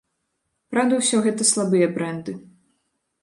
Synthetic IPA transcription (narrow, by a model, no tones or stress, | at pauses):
pɾawd̪ɐwsʲɔɣɛt̪ɐslˠabɨjɐbɾɛnd̪ɨ